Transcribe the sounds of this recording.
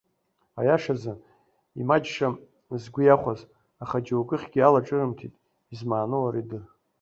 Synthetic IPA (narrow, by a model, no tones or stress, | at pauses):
a̰jaʂazɨ | imad͡ʒʂa | zɡʷʊjaχʷaz | aχad͡ʒawkʼɨχʲɡʲialaʈ͡ʂʼɨrɨmkʲʰitʼ | izmaːnɨwaɾidɨr